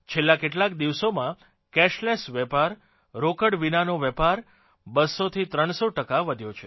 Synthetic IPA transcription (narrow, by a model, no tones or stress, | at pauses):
t͡ʃʰelːakeʈlakd̪iʋsomã | kɛʃlesʋɛpaɾ | ɾokəɽʋinanoʋɛpaɾ | bəsot̪ʰit̪ɾəɳ̃soʈəkaʋəd̪ʱjot͡ʃʰe